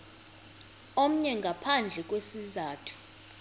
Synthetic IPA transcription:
om̩ɲɛŋɡʱapʰand͡ɮʱɛk̬ʼwesizaːtʰu̥

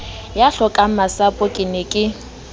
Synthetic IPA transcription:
jaɬɔkʼamasapʼʊkʼɪnɪkʼɪ

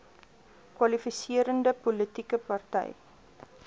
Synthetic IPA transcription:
kwɐlifisiəɾəndəpɔlitikəpɐrtɛ̰j

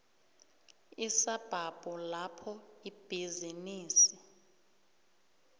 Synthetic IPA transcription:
isab̥ʱab̥ʱulapʰɔib̥ʱiziniːsi

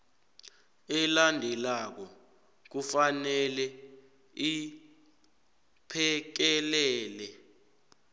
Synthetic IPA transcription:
ɛlandʱɛlak̬ɔ | k̬ufanɛlɛ | i | pʰɛk̬ɛlɛːlɛ

